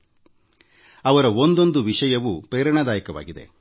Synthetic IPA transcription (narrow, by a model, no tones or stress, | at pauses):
ɐʋɐɾɐond̪o̞nd̪uʋiʂɐjɐʋupɾeːɾɐɳɐd̪aːjɐkɐʋa̰ːɡid̪ḛ